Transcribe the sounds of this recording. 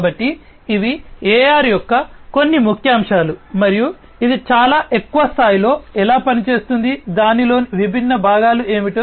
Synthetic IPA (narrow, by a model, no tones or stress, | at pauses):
bɐʈːiː | ʋiɛːjaːɾijɔkːɐko̞nːimukʰjaːmʂaːlumɐɾiju | id̪it͡ʃaːlaːʔe̞kːuʋɐst̪ʰaːjilo̞ːɛlaːpɐnit͡ʃe̞ːst̪und̪id̪aːnilo̞ːniʋibʱinːɐbʱaːɡaːlue̞ːmiʈu